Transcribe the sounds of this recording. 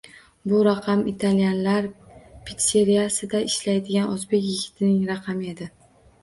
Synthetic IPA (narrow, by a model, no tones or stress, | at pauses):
bʊɾɑqʰɑmɪt̪ʰalijanlaɾpʰɪt̪se̞ɾijasɪd̪aɪʃlajd̪ɪɡʲanʔʊzbe̞kʲjɪɡʲɪt̪ʰɪnɪŋɾɑqʰɑmɪe̞d̪ɪ